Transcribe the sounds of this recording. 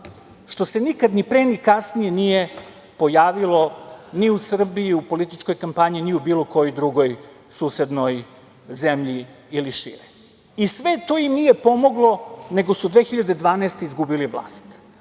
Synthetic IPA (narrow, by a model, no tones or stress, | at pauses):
ʃt̪o̞se̞nikad̪nipɾenikasnijenije̞ | po̞jaːʋilˠo̞niusr̩biiupo̞lit̪it͡ʃko̞jkampaɲiniubiːlo̞ko̞jojd̪ɾuɡo̞j | suːse̞d̪no̞j | zemʎiː | liʃḭɾi | isʋe̞t̪o̞jimnijepo̞mo̞ɡlˠo̞ne̞ɡo̞sud̪ʋe̞ːxiʎad̪ed̪ʋaːneːst̪eizɡubiliʋlˠa̰ːst̪